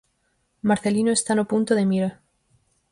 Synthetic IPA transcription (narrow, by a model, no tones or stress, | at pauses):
maɾθelinoest̪anopunt̪oðemiɾa